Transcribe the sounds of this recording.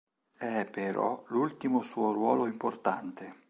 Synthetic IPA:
ɛpːeɾɔ̰lult̪imosuːorwɔːloimport̪a̰nt̪e

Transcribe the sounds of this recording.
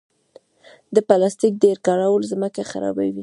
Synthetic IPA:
d̪əpalɑst̪ik̚d̪eɾkɑɽawəlzməkaxa̰ɾɑ̰ba̰wi

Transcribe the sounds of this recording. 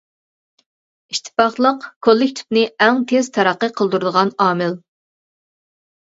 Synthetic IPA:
iʃt̪ʰɪ̥pɑχlˠəqkʰolˠːɪkʲt̪ʰi̥pnɪɛŋt̪ʰez̥t̪ʰɑɾæqːəqʰəlˠd̪uɾɨd̪əʁɑnɑːmɪl

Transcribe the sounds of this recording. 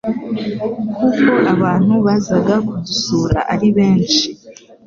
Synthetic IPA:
kuko̞ʔaβaːn̥huβaːzaɡakudusuːɾa̰ʔaɾiβe̞ːnʃi

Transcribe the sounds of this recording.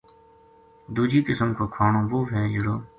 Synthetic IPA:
d̪uːd͡ʒiːkɪsəmkoːkʰaːɳõːʋoːʋɛ̃ːjʊɽoː

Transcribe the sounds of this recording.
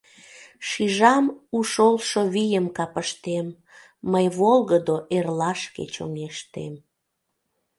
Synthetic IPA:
ʃiʒɑmuʃolʃoβijəmkɑpəʃt̪emː | əjβolɣəd̪oʔerlɑʃkḛt͡ɕo̰ŋeʃt̪ḛm

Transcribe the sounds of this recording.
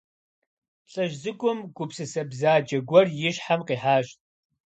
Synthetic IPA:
ɬʼɐʒzɨɡʷʼʊmɡʷʊpsɨsɐbzaːd͡ʒɐɡʷɔrjɪɕħamqiːħaːʃtʼ

